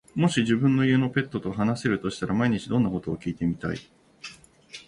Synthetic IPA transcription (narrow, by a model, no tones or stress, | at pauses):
mo̞ɕiʑibɯ̟̃nːo̞ie̞no̞pe̞t̪ːo̞t̪o̞ɦanase̞ɾɯ̟t̪o̞ɕi̥t̪aɾamaiɲ̟it͡ɕid̪õ̞nːako̞t̪o̞ːkʲiːt̪e̞mʲit̪a̰ḭ